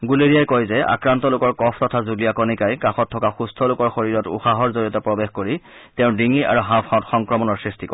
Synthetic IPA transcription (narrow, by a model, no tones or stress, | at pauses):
ɡuleɹijajkɔjzɛa̰kɹantɔlʊkɔɹkɔpʰtɔtʰazulijakɔnikajkaxɔtʰːɔkaxustʰɔlokɔɹxoɹiɹɔtṵxaɦɔɹzoɹijɔtɔpɹɔbexkoɹi | tɛʊ̃diŋia̰ɹuɦãpatxɔŋkɹɔmɔnɔɹsɹistikɔ